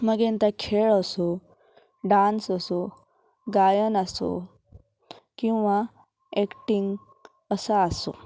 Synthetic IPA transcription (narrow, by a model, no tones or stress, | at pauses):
məɡẽnt̪akʰeɭəso | ɖansəso | ɡajənaso̰ | kĩw̃ʋa | ekʈiŋɡ | əsaːso̰